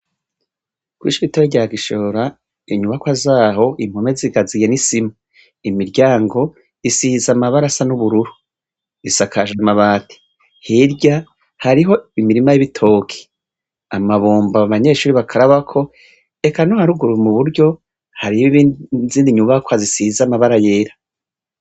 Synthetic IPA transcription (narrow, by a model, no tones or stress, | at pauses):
ɡ̥wḭːʃiβitojeɟaːɡiʃo̞ːɾa | iɲuβakwazaːɦo̞ʔim̥home̞ziɡazije̞nisima | imiɾɟaːŋɡo̞ | isizamaβaɾasanuβuɾuɾu | isakʰaʒamaβaːtʰi̥ | hiɾɟa | haɾiɦo̞imiɾimajiβitʰo̞ːkʰe̥ | amaβoːmbaaβaɲe̞ʃuːɾiβakʰaɾaβakʰo̞ | e̞kanohaɾuɡuɾumuβuɾɟo̞ | haɾiiβziːndiɲuβakwazisizamaβaɾaje̞ɾa